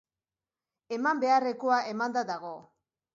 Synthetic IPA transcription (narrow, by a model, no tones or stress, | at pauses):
e̞mambe̞are̞ko̞aʔe̞mand̪ad̪aɣ̞o̞